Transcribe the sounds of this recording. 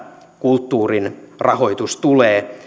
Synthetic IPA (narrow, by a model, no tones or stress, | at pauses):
kult̪ːuːrinrɑho̞jt̪ust̪uleː